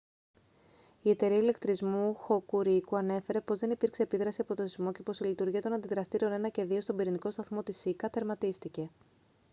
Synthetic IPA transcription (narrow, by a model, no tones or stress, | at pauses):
ie̞t̪e̞ɾiɐile̞kt̪ɾizmuxo̞kuɾikuɐne̞fe̞ɾe̞po̞zðe̞nipiɾkse̞ːpiðɾɐsiɐpo̞t̪oθizmo̞ce̞po̞silit̪uɾʝiɐt̪o̞nɐnd̪iðɾɐst̪iɾione̞nɐce̞ðio̞st̪o̞biɾiniko̞st̪ɐθmo̞t̪isikɐt̪e̞ɾmɐt̪ist̪ice̞